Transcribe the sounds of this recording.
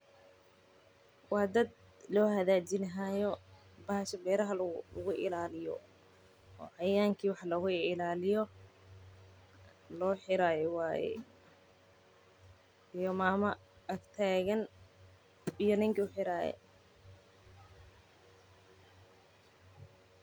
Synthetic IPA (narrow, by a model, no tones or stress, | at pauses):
wɑːd̪ɐd̪ | lɔːhɐðaːt͡ʃɪnɐɦajɔ | bɐːhʃɐbɛːɾɐɦɐlʊɣʊʔɪ̰laːlɪjɔ̰ | ɔ̰ːʕɑjaːŋkʰiːwɑħlɐɣʊɪlaːlɪjɔ | lɔːħɪɾaːjɔwaːjɛ̰ | ijɔmaːmɐ | ɐkt̪ʰaːɣɐn | ijɔnɪŋkʰiʊħɪɾaːjɛ̰